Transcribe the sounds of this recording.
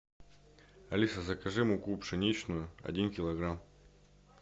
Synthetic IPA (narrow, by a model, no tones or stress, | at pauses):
ɐlʲisɐzɐkɐʐɨmʊkupʂɨnʲit͡ɕnʊjʊɐ̰dʲinkʲɪlˠɐɡɾam